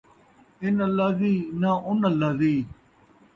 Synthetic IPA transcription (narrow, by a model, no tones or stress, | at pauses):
ɪnəlːaːziːnãːʔʊnəlːaːziː